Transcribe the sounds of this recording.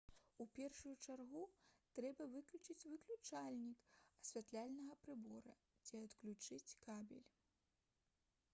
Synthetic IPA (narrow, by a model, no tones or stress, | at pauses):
upʲɛrʂujut͡ʂarɣut̪ɾɛbɐvɨklʲut͡ʂɨt͡sʲvɨklʲut͡ʂalʲnʲikɐsʲvʲat̪lʲalʲnɐɣɐpɾɨbɔɾɐ | t͡sʲiɐt̪klʲut͡ʂɨt͡sʲkabʲɛ̰lʲ